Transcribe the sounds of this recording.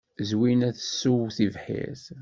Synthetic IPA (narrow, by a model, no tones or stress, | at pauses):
zwinæθəsːuwθivħḭθ